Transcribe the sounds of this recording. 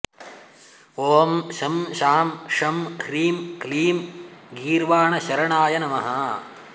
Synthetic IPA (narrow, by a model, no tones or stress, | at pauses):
oːmʃɐmʃaːmʂɐmkʰɾiːmkliːmɡiːɾʋaːɳɐʃɐɾɐɳaːjɐnɐmɐɦɐ